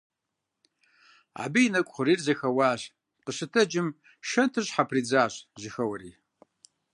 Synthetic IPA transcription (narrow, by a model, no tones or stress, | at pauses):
a̰ːbijnɐkʷʼχʷʊɾiːrzɐxɐwaːɕ | qəɕɨtʰɐd͡ʒɪm | ʃɐntʰɨɕħapʰriːd͡zaːɕʑɪxɐwɐriː